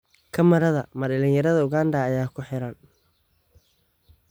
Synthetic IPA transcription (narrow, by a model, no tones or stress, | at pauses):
kʰɐmɐɾɐðɐmɐdɐlɪŋjɐɾɐðɐʊɣaːnd̪ɐːjaːkʰʊħɛɾɐn